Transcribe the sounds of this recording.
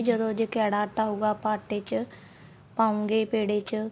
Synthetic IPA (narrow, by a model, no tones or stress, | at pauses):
d͡ʒəd̪õːd͡ʒkɛːɽaːʈaːuːɡaːpaːʈeːt͡ʃ | pãːũŋɡeːpeːɽeːt͡ʃ